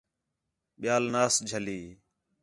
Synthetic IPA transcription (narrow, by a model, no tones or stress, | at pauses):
ɓɪjaːlnaːsd͡ʒʱəliː